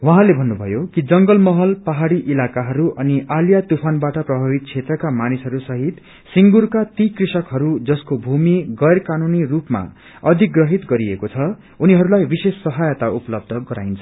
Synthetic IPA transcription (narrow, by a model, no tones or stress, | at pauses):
wʌɦãlebʱʌnːubʱʌjokid͡zʌŋɡʌlmʌɦʌlpaɦaɽiʔilakaɦʌɾuʔʌniʔaljat̪upʰanbaʈʌprʌbʱabit̪̚t͡sʰet̪rʌkamanisɦʌɾusʌɦit̪ | siŋɡuɾkat̪ikrisʌkɦʌɾud͡zʌskobʱumiɡʌjrkanunirupma̰ | ʌd̪ʱik̚ɡrʌɦit̪ɡʌɾiekot͡sʰʌ | uniɦʌɾulajbisesːʌɦajʌt̪aupʌlʌb̚d̪ʱʌɡʌɾa̰jnt͡sʰʌ